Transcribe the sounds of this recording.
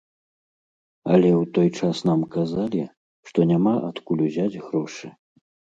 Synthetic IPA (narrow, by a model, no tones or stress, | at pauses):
ɐlʲɛwt̪ɔjt͡ʂasnamkazalʲi | ʂt̪ɔnʲamaʔat̪kulʲuzʲad͡zʲɣɾɔʂɨ